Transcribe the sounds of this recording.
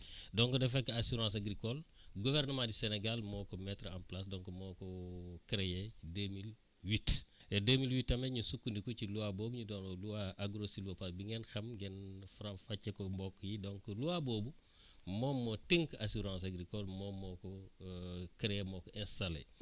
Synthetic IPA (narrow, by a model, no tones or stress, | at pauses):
dɔŋkodɛfɛkːasuɾãːsaɡɾikɔlɡuvɛrnəmãdiseneɡalmɔːkomɛtɾa̰mplas̬dɔŋkomɔkɔkɾejeidemil | witɛdemilwitːɐmeɲusukːundikociluwaboːbuɲudoːnoluwaʔaɡɾosiluopasbiŋɛnxɐmɡɛnfɾãfacːekombɔːkːjidoŋkoluwaboːbu | mɔːmːotiŋkasuɾãs̬aɡɾikɔlmɔmɔːkɔ | kɾejemɔːkoʔɛ̃nsɐlḛ